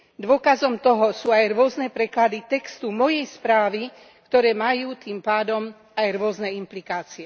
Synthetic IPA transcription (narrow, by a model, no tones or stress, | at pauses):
d̪ʋʊɔkazɔmt̪ɔɦɔsuːajɾʊɔznɛpɾɛklad̪it̪ɛkst̪umɔjɛjspɾaːʋi | kt̪ɔɾɛːmajuːt̪iːmpaːd̪ɔm | ajɾʊɔznɛimplikaːt͡siɛ